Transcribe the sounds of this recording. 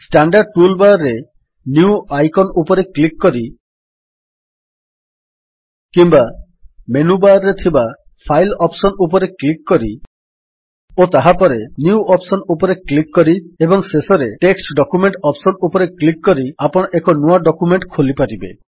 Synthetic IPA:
sʈaɳɖaɾɖ̚ʈulbaɾɾːe | njuuajkɔnupɔɾeklikːɔɾi | kimba | menubaɾːet̪ʰiba | pʰajlɔpsɔnupɔɾeklikːɔɾi | ot̪aɦapɔɾenjuɔpsɔnupɔɾeklikːɔɾiebɔŋsesɔɾeʈeksʈɖɔkumeɳʈɔpsɔnupɔɾeklikːɔɾiapɔɽ̃ɔʔekɔnuaɖɔkumeɳʈkʰolipaɾibḛ

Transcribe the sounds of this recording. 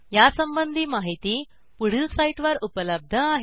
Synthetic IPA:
jasəmbənd̪ʱiːmaɦit̪iː | puɽ̤ilsaiʈʋəɾupələb̚d̪ʱəaɦe

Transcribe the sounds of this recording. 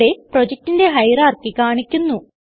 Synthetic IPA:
eprod͡ʑek̚tːinde̞ɦɐjraːrkːikaːɳikʲːunːu

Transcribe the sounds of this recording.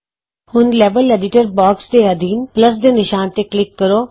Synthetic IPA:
hʊnlɛːbəleːɖɪʈəɾbɔːksd̪eːəd̪iːnpləs̬d̪eːnɪʃaːnt̪eklɪkːəɾoː

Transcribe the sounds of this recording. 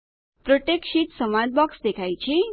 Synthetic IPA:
pɾoʈeksiʈsʌmad͡z̚bʌksd̪ekʰajt͡sʰi

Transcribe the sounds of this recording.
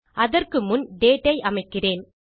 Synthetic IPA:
ʔɐðɐrkɯmʊnɖeːʈːɐɪʔɐmɐɪkːɪreːn

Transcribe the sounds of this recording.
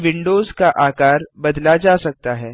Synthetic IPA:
ʋɪ̃ɳɖoːzkaʔaːkaːɾbɐd̪lad͡ʒaːsɐk̚t̪aɦɛː

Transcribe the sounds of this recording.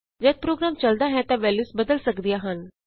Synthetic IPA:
d͡ʒɛt̪̚pɾoːɡɾaːmt͡ʃəld̪aɦɛ̃t̪aʋɛlusbəd̪əlsəkd̪ijaɦən

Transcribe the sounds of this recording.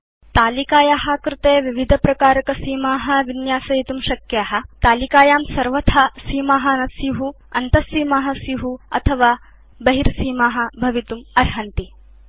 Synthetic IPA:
t̪aːlikaːjaːɦɐkɾɪt̪eːʋiʋid̪ʱɐpɾɐkaːɾɐkɐsiːmaːɦɐʋinjaːsɐjit̪umʃɐkjaːɦɐ̆t̪aːlikaːjaːmsɐɾʋɐt̪ʰɐsiːmaːɦɐnɐsjuɦu | ɐ̰nt̪ɐsiːmaːɦɐ̆sjuɦuɐ̰t̪ʰɐʋaː | bɐɦiɾsiːmaːɦɐ̆bʱɐʋit̪umɐɾɦɐnt̪i

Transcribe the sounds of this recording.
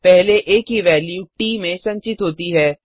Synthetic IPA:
pɛɦleʔeːkɦiʋɛːljuːʈiːmẽsɐ̃ɲt͡ʃɪt̪ɦoːt̪iɦɛː

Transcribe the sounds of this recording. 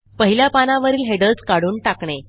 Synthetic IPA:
pəɦiljapanaʋəɾiːlɦeɽəlt͡skaɽuːɳʈakɳe

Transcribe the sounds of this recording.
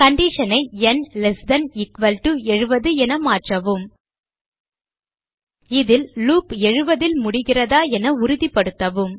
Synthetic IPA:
kɐɳɖiʂɐnɐɪɛnlɛsd̪ɐnɪkʋɐlʈuɛɻɯʋɐðɯɛnɐmaːʈrɐʋɯm | ɪðɪlluːpɛɻɯʋɐðɪlmʊɽɪɣɪrɐðaːɛnɐʊɾʊðipːɐɽɯt̪ːɐʋɯm

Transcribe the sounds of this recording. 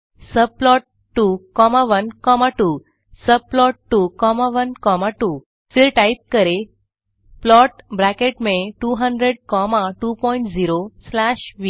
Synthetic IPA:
səb̚plɔʈːukɔmaʋənkɔmaʈuː | səb̚plɔʈːukɔmaʋənkɔmaʈuː | fiɾʈajp̚kəɾe | plɔʈbɾakeʈmẽʈuɦəɳɖɾeɽkɔmaʈupɔiɳʈd͡ziɾoslaɕʋi

